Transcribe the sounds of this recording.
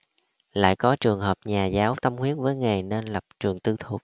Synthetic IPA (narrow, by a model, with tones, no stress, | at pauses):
la̰ː˧˨jkɔ˨˦t͡ɕɨ˨˩əŋɦəː˨˩p̚ɲaː˨˩zaː˨˦wt̪ə˧mhwi˨˦˥ət̚vəː˨˦jŋe˨˩jne˧nlə˨˩p̚t͡ɕɨ˨˩əŋt̪ɨ˧t̪ʰu˨˩k͡p̚